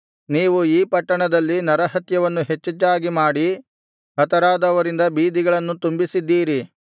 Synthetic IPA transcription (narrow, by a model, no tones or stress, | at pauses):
niːʋuiːpɐʈːɐɳɐd̪ɐlːinɐɾɐɦɐt̪jɐʋɐnːuɦet͡ʃːɐt͡ʃːaːɡimaːɽi | ɦɐt̪ɐɾaːd̪ɐʋɐɾind̪ɐbiːd̪iɡɐɭɐnːut̪umbisid̪ːiːɾi